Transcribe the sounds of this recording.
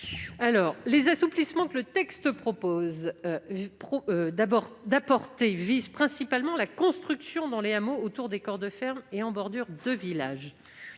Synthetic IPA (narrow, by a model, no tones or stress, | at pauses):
alɔːʁlezasuplismɑ̃kələt̪ɛkst̪əpχɔpoz | pχɔbɔʁd̪apɔʁt̪evizpχɛ̃sipalmɑ̃lakɔ̃st̪χyksjɔ̃d̪ɑ̃leamoot̪uʁd̪ekɔʁd̪əfɛʁmeɑ̃bɔʁd̪yʁd̪əvilaʒ